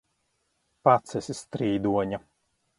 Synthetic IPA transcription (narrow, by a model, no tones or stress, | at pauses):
pat̪sɛsʲist̪ɾiːd̪uɔɲa